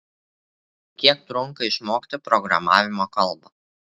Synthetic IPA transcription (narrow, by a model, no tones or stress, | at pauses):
kʲiɛk̚t̪ɾʊŋkɐɪʃmoːkʲt̪ʲɪpɾɔɡɾɐ̰mɑ̰ːʋʲɪmoːkɐlˠbɐ